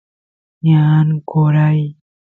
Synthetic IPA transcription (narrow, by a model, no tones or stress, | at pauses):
ɲankoɾaj